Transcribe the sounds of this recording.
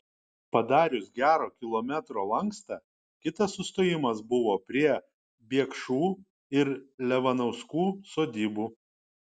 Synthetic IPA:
pɐd̪ɑːɾʲʊsɡʲæːɾoːkʲɪlˠoːmʲæt̪ɾoːlˠɐŋˑkst̪ɑː | kʲɪt̪ɐsːʊst̪oːjɪmɐsbʊʋoːpʲɾʲiɛ | bʲiɛkʃuː | ɪɾlʲɛʋɐnɐʊskuːsoːd̪ʲiːbuː

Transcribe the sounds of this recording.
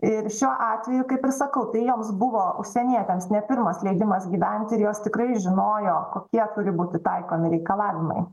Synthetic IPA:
ɪɾʃʲuɔʔɑːt̪ʲʋʲɛjʊkɐɪpɪrsɐkɐʊt̪ɐɪjoːmsbʊʋoːʔʊʃʲsʲɛnʲiɛt̪ʲɛmsnʲɛpʲɪɾmɐslʲɛɪd̪ʲɪmɐsɡʲiːʋʲɛnʲt̪ʲɪɾjoːst̪ʲɪkɾɐɪʒʲɪnoːjoːkoːkʲiɛt̪ʊɾʲɪbuːt̪ʲɪt̪ɐɪkoːmʲɪɾʲɛɪkɐlˠɑːʋʲɪmɐ̰ɪ

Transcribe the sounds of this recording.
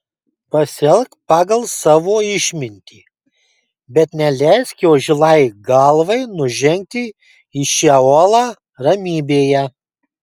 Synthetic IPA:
pɐsʲɛlʲˠkpɑːɡɐlˠsɑːʋoːɪʃʲmʲɪnʲt̪ʲiː | bʲɛt̪nʲɛlʲɛɪskʲoːʒʲɪlˠɐɪɡɐlˠʋɐɪnʊʒʲɛŋʲk̚t̪ʲɪ | iʃʲɛoːlˠɑː | ɾɐmʲiːbʲeːjɛ

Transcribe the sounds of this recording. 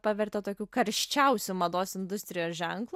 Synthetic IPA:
pɑʋʲɛɾʲt̪ʲɛt̪oːkʲuːkɐɾʲʃʲt͡ʃʲɛʊsʲumɐd̪oːsɪnd̪ʊsʲt̪ʲɾʲɪjoːsʒʲɛŋklˠuː

